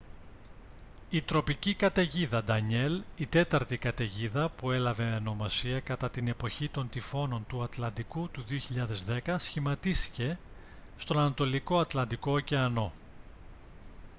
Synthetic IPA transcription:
it̪ɾo̞picikɐt̪e̞ʝiðɐd̪ɐɲe̞lit̪e̞t̪ɐɾt̪ikɐt̪e̞ʝiðɐpue̞lɐve̞ɐno̞mɐsiɐkɐt̪ɐt̪ine̞po̞çit̪o̞nt̪ifo̞no̞nt̪uɐt̪lɐnd̪ikut̪uðio̞çiʎɐðe̞zðe̞kɐsçimɐt̪isti̥ce̞ | st̪o̞nɐnɐt̪o̞liko̞ɐt̪lɐnd̪iko̞ce̞ɐno̞

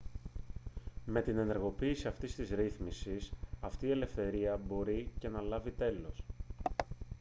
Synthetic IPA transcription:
me̞t̪ine̞ne̞ɾɣo̞piːsiɐft̪ist̪izɾiθmisisɐft̪iːe̞le̞fθe̞ɾiɐbo̞ɾice̞nɐlɐvit̪e̞lo̞s

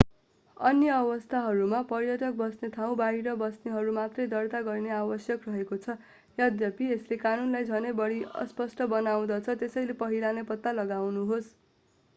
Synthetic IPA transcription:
ʌnjʌːbʌst̪ʰaɦʌɾumapʌrjʌʈʌk̚bʌsnet̪ʰaw̃baɦiɾʌbʌsneɦʌɾumat̪rʌjd̪ʌrt̪aɡʌrneabʌsjʌkrʌɦekot͡sʰʌ | jad̪jʌpieslekanunlajd͡zʱʌnʌjbʌɽiʌ̰spʌsʈʌbʌnaw̃d̪ʌt͡sʰʌt̪esʌjlepʌɦilanepʌt̪ːalʌɡawnuɦos

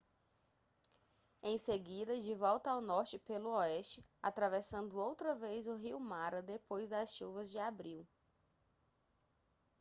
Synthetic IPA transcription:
ẽj̃seɡid̪ɐd͡ʒɪvɔwt̪ɐawnɔɾt͡ʃɪpelʊɔɛst͡ʃɪa̰t̪ɾavɛsɐ̃nd̪ʊowt̪ɾɐvejzʊɦiwmaɾɐd̪epojzd̪ɐsʃuvɐzd͡ʒɪabɾiw

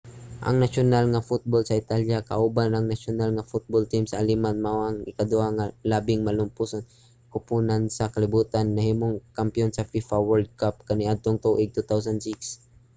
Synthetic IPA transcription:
ʔɐ̰ŋnaʃʊnalŋafʊt̪̚bolsɐʔɪt̪aljaka̰ʔuːbanɐŋnaʃʊnalŋafʊt̪̚bolt̪ɪmsɐʔalimanmaʔoʔaŋɪkad̪ʊʔaŋalaːbɪŋmalʊmpuson | kʊpuːnansɐkalɪbuːt̪anːɐhiːmʊŋkampɪjonsɐfifawɛld̪̚kap̚kanɪʔad̪̚t̪oŋt̪uʔɪɡ̚t̪ut̪aws̬and̪sɪks

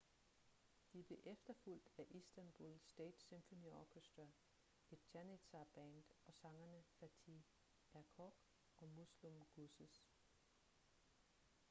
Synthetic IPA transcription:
d̥ib̥le̝ʔefd̥ɐful̰d̥æʔisd̥ænb̥ulsd̥ɛ̰ːd̥semfo̝niɒkʰesd̥ɐ | e̝d̥̚ɕænit͡sʰɑb̥ænd̥ɒ̽sɑ̈ŋɐnəfæt͡sʰi | æɐkʰɒɡ̥ | ɒ̽muslumɡ̥usəs

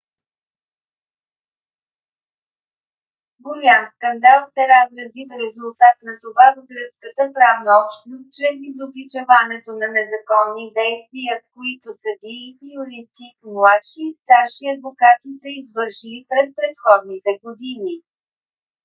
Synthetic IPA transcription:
ɡʊɾiamskɐnd̪alˠsɛɾazɾɐzifɾɛzʊlˠt̪at̪nɐt̪ovad̪oɡɾət̪skət̪əpɾavnəɔpʃt̪nost̪̚t͡ʃɾɛzizoɡlit͡ʃɛvanɛt̪onɐnɛzɐkɔnːid̪ɛjst̪viəkoit̪osəb̪iipioɾist̪imlˠat̪ʃiːst̪aɾʃiɐd̪vokat̪isəizvɤɾʃilipɾɛs̚pɾɛt̪xɔd̪nit̪ɛɡod̪ini

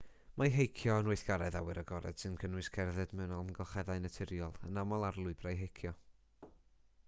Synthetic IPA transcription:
majɦejkʰjɔənʊɨθɡ̥aɾɛðawɨɾəɡɔɾɛ̰d̥sɨnkʰənwɨskʰɛrðɨdmɛwnalˠmnɡɔχɛðajnətʰɪɾjɔlˠənamɔlˠarlˠʊɨbrajɦejkʰjɔ

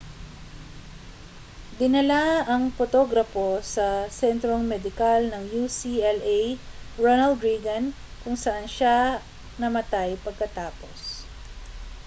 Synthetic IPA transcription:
d̪ɪnɐlaɐŋfot̪o̞ɡɾɐfo̞sɐsɛnt̪ɾoŋmɛd̪ɪkalnɐŋjusiɛlejɹonɐld̪ɾiɡɐn | kʊŋsɐʔanʃa | nɐmɐt̪ajpɐɡ̚kɐt̪aːpo̞̰s

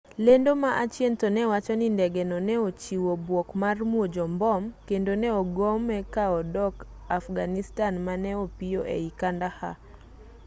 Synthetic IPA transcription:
lendomaʔat͡ʃjentɔnɛwat͡ʃɔnindɛɡɛnɔnɛot͡ʃiwobwɔkmarmwod͡ʒɔmbɔmkendonɛɔɡomɛkaɔdɔk | afɡanistanmanɛopijoʔḛikandaha̰

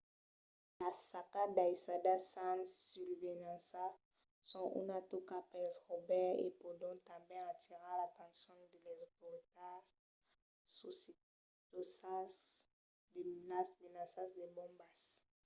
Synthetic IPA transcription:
lasakad̪aisadasãnːylvenãsa | sɔ̃ʔṵnat̪ukapɛsʁobɛʁḛpodɔ̃t̪ãbjɛ̃at̪iʁalat̪ɑ̃sjɔ̃d̪elɛzot̪oʁit̪a | sos | osas | demenasmenasasd̪ebɔ̃mbas

